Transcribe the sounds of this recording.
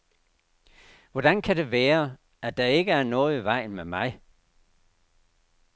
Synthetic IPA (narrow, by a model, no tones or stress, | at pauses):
ʋɒd̥ænkʰæde̝ʋæːɐ | æd̥ɑ̈e̝ɡ̥əæɐnɔ̽ːð̩ˠʋɑ̈ɪ̰nmemɑ̈ɪ